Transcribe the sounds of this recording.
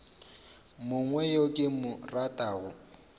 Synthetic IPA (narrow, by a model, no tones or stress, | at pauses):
mʊŋwɛjokʼɪmʊratʼaːɣʊ